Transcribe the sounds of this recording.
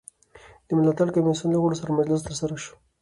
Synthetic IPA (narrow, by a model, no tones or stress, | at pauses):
d̪̥əmɪlat̪aɽkamesunləɣoɽosaɾamad͡ʒlɪs̬t̪əɾsaɾaʃo̥